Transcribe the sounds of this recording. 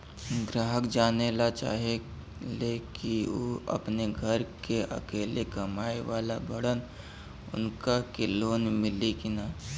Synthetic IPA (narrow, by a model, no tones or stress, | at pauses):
ɡɾaːɦəkd͡ʒaːnelat͡ʃa̰ːɦe | leːkioːɐ̰pneɡʱɐɾkeʔɐ̰keːlekɐmaːeʋaːlabɐɽən | ʊ̰nkakeloːnmɪlekinaː